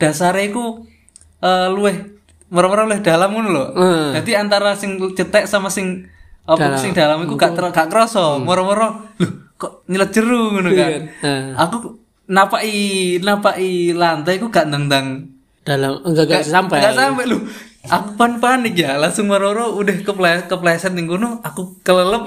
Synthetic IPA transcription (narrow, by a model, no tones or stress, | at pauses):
d̥asaɾaiku | əluɛh | mɔɾɔmɔɾɔluɪhdalamɡunulɔd̥ad̪iant̪aɾasɪŋt͡ʃət̪ɛʔsamasɪŋɔdɪŋdalamikuɡaʔɡ̥aʔkəɾosɔmɔɾɔmɔɾɔlʊhkɔʔɲələt͡ʃəɾuɡunuka | aku | napaʔinapaʔilant̪aikuɡaʔnd̪əŋd̪aŋ | d̥alamŋɡaɡaampɛɡasampɛlʊhakupanpanɪkjalaŋsʊŋmɔɾɔɾɔudahkəplakəplasɛt̪iŋɡunuakukələləp̚